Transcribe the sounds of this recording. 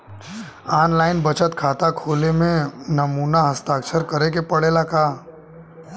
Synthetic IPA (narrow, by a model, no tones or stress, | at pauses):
aːnlaːɪnbət͡ʃət̪kʰaːt̪akʰoːlemẽnɐmuːnaɦəst̪aːkʃəɾkəɾekepɐɽeːlakaː